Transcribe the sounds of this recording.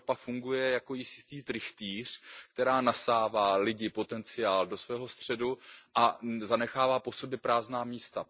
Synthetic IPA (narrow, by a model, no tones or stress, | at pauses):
opafuŋɡujɛjako̞jɪsɪ̥st̪iːt̪ɾɪxt̪iːr̝̥kt̪ɛɾaːnasaːvaːlɪɟɪpo̞t̪ɛnt͡sɪjaːldo̞svɛːɦo̞st̪r̝̥ɛduʔazanɛxaːvaːpo̞sobjɛpɾaːznaːmiːst̪a